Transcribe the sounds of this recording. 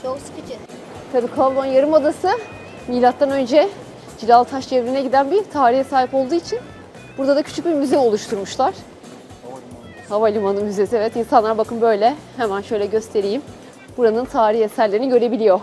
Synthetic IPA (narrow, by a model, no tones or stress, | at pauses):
t͡ʃokskt͡ʃʰɪ | t̪ʰabiːkʰavlˠonjaɾɯmod̪asɯ | miːlʲat̪ːanø̞nd͡ʒɛ | d͡ʒilʲalˠt̪ʰaʃt͡ʃʰevɾinɛɟid̪ænbit̪ʰaːɾihɛsaːɦipo̞lˠd̪uːit͡ʃʰin | buɾd̪ad̪acʰy̥t͡ʃʰyc̚bimyzeo̞lˠuʃt̪ʰuɾmuʃlˠaɾ̥ | havalʲimanɯnmyzesiɛvɛt̪insanlˠaɾbakʰɯnbø̞jlʲɛhemænʃø̞jlʲɛɟø̞st̪ʰe̞ɾijim | buɾanɯnt̪ʰaːɾihesæɾlʲeɾiniɟø̞ɾe̞bilʲijo̞